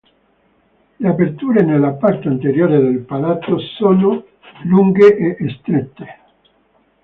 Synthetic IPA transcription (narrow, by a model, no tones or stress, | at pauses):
leapert̪uːɾenelːapart̪eant̪eɾjoːɾed̪elpalat̪sosɔno | luŋɡeʔeʔːst̪ɾet̪ːe̥